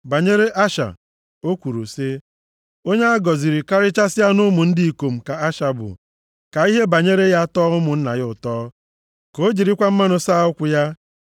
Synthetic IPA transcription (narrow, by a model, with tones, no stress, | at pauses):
ba˨ɲe˦ɾe˦ʔa˦ʃa̰˨ | o˦kʷu˨ɾṵ˨se˦ | o˦ɲe˦a˦ɡɔ˨zi˨ɾi˨ka˦ɾɪ˦t͡ʃa˦sɪ˦a˦nʊ˦mʊ˨n̩˦dɪ˦i˨ko˨m̩˨ka˨a˦ʃa˨bʊ̰˨ | ka˨i˦ɦe˦ba˨ɲe˦ɾe˦ja˦tɔː˦ʊ˦mʊ˨n̩˦na̰˨ɣɪ˦ʊ˨tɔː˦ | ko˨˦d͡ʒi˨ɾi˦kʷa˦m̩˦ma˦nʊ˨saː˦ʊ˦kʷʊ˨ja˦